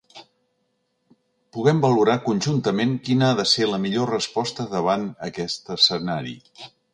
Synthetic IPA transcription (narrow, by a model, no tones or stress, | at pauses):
puɣ̞ɛmbəluɾakunʲʒunt̪əmeŋkinəaðəseləmiʎorəspɔst̪əðəβ̞anəkɛst̪əsənaɾḭ